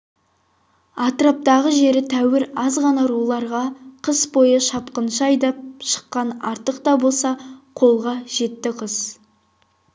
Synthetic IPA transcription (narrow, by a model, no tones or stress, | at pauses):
ɑt̪ɾap̚t̪ɑʁəʒe̞ɾɪt̪ʰæwɪɾɑzʁɑnɑɾulˠɑɾʁɑqʰəsbo̞jəʃɑpqənʃəɑjd̪ɑp̚ʃə̥qːɑnɑɾt̪əqt̪ɑbo̞lˠsɑqʰo̞lˠʁɑʒ̥e̞t̪ːɪqʰəs